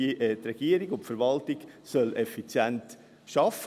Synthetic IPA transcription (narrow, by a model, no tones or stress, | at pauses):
trɛɡ̥iəɾiɡʊntfəɾʋɑltɪɡ̥sœlɛfit͡sjɛnt | ʃɑf